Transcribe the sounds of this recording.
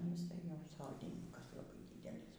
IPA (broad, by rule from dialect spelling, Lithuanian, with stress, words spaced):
nʊ jɪˈsɐɪ ˈjɛʊ ˈsoːdʲiːnʲɪŋkɐs lˠɐˈbɐɪ ˈdʲiːdʲɛlʲiːs